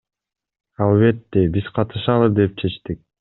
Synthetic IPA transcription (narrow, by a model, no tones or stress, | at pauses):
ɑlˠβe̞t̪ːe̞biz̥qʰɑt̪ɯʃɑlˠɯd̪e̞p̚t͡ʃʰe̞t͡ʃt̪ik̚